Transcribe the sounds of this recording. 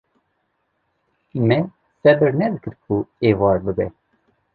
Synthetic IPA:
mɛ | sɛbɨɾnɛd̪ɨkɨɾkuevɑːɾbɨbɛ

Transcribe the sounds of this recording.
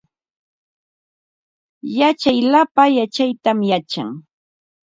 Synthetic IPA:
jat͡ʃajlapajat͡ʃajt̪amjat͡ʃa̰ŋ

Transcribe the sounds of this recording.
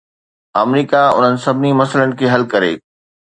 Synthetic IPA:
ɐmɾiːkaʊ̰n̤ənɪ̆sɐbʱnimɐsələnɪ̆kʰeːɦɐlkɐɾḛː

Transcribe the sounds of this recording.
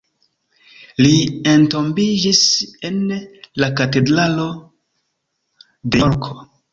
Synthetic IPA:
liento̞mbid͡ʒise̞nlakate̞dɾalo̞ | deɾkʰo

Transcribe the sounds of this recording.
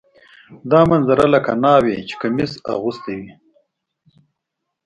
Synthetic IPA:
d̪ɑːmanzaɾalaka̰nɑwet͡ʃe̥kamisa̰ɣust̪ewi

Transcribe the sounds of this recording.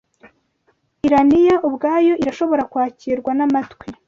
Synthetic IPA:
iɾanijaʔubɡaːjo̞ʔiɾaʃo̞βo̞ɾakwaːciɾɡwanamatkwe

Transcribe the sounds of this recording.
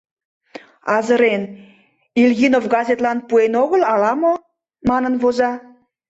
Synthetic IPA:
ɑzəɾen | ilɣinofɡɑzʲet̪lɑnpuenoɣəlɑlɑmo | mɑnənvozɑ

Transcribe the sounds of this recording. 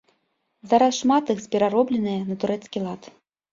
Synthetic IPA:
zaɾasʂmat̪ɨxzʲbʲɛɾaɾɔblʲɛnɨjɐnɐt̪uɾɛt̪skʲilˠat̪

